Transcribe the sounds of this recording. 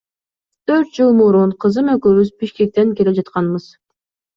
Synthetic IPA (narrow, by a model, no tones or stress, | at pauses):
t̪ʰøɾt̪̚d͡ʒɯlˠmuɾunqʰɯzɯmøkyβyzbiʃke̞k̚t̪e̞ŋke̞led͡ʒɑt̪qɑnbɯz